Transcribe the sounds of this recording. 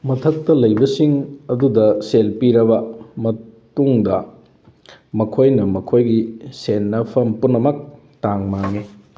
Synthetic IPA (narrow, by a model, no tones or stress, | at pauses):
mɐtʰɐk̚tɐlɐjbɐsiŋɐdudɐselpiɾɐbɐmɐtuŋdɐ | mɐkʰojnɐmɐkʰojɡisenːɐpʰɐmpunːɐmɐk̚ | taŋmaŋi